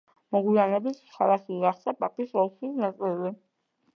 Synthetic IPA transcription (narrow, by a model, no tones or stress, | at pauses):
mɔɡwianɛbisχʰalˠaχiɡaχsapʼapʼisɔlˠswisnat̪sʼlɛlɛ